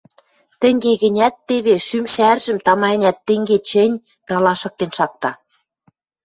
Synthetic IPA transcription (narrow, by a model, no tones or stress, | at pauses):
t̪ɘ̆ŋɡeɣɘ̆nʲæt̪ːeβeʃymʃærʒə̆mt̪ɑmɑ̆nʲæt̪ːɘ̆ŋɡet͡ɕɘ̆nʲ | t̪ɑlɑʃɤ̆k̚t̪enʃɑk̚t̪ɑ